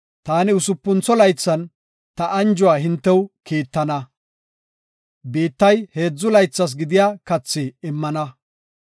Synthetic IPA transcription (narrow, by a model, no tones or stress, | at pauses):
t̪aːnɪʊsʊpːʊnt͡sɔlɐjt͡sːɐn | t̪ɐʔɐnd͡ʒʊwaːɦɪnt̪ːɛwkiːt̪ːɐnɐ | biːt̪ːɐjhe̞ːd͡zːʊlɐjt͡sːɐs̬ɡɪd̪ɪjaːkɐt͡sːɪɪmːɐnɐ